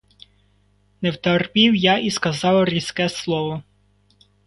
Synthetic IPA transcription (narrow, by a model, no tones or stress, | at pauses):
nɛwt̪ɐrpʲiwjaʔiskɐzɑwrʲiskɛslˠɔʋɔ